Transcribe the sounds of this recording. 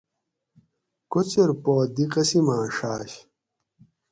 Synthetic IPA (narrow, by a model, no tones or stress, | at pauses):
kot͡ɕeɾpoːd̪ikɐsimãːʂaːɕ